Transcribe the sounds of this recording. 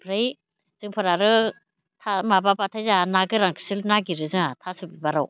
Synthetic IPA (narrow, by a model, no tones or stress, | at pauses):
pʰɾɯj | z̥ɯŋpʰɯɾaɾɯ | tʰamabapatʰajzanaɡɯɾaŋkʰɯ̥silnaɡiɾɯzɯŋatʰasubibaɾaw